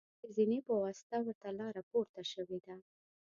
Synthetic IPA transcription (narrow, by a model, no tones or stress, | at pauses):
əzinepawɑst̪awɪɾt̪alɑɾapoɾt̪aʃəwed̪a